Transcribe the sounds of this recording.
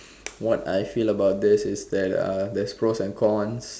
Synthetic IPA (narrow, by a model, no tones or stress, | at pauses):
wɔtajfiləbawt̚d̪ɪsɪsdɛt̚a̰dɛspɹosɛ̃nkʰɔ̃ns